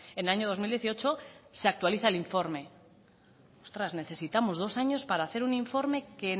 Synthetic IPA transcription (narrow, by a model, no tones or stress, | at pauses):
enlaɲoð̞o̞mild̪jeθio̞t͡ʃo̞seak̚t̪waliθaeliɱfo̞ɾme̞ | ost̪ɾazne̞θe̞sit̪amo̞zð̞o̞saɲo̞spaɾaːθe̞ɾuniɱfo̞ɾme̞ke